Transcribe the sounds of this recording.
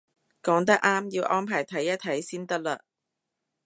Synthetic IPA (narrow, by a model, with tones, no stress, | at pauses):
kɔː˨˥ŋt̪̬ɐ˥k̚ʔaː˥mjiː˧wʔɔː˥mpʰaː˨˩jt̪ʰɐ˨˥jːɐ˥t̪ʰɐ˨˥jsiː˥nt̪ɐ˥k̚laː˧